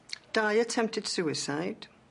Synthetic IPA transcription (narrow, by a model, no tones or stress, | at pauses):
d̥aɪətʰɛ̃mp̚tɨd̥sʉːɪsaɪd̥